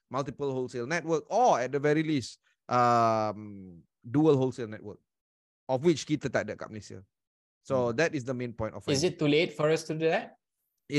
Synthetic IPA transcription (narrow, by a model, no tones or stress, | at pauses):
maltipəlholselnɛt̚wək̚ɔɛt̚dəvɛɹilis | ʔam | duəlɦolselnɛt̚wə̰k̚ | ɔfwit͡ʃkit̪ətadəka̰p̚lisiə̰ | sodɛtɪs̬dəmẽnpɔ̃j̃ntɔfɪzɪtːulet̚fɔɹastuddɛt̚